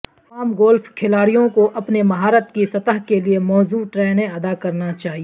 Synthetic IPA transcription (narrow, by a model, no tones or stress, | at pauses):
aːmɡɔːlfkʰɪlaːɾijõkoʔɐpnemɐɦaːɾət̪kisɐt̪əɦkeliemɔːzuːʈɾɛːnẽɐd̪akɐɾnat͡ʃaːɦie